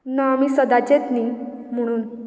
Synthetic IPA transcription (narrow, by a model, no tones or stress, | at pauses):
naːmiːsəd̪at͡ɕet̪ni | m̤əɽ̃uːn